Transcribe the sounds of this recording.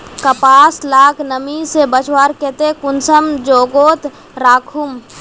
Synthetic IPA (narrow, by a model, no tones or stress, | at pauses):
kəpaːslaːkʰnəmisebət͡ʃwaːɾkeːt̪ekʊnsəmd͡ʒoːɡoːt̪ | ɾaːkʰum